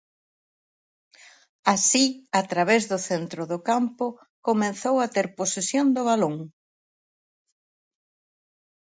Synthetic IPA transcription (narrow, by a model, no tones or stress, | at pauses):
asiat̪ɾaβezðʊθent̪ɾʊðʊkampʊ | komẽnθowat̪eɾposesjond̪ʊβaloŋ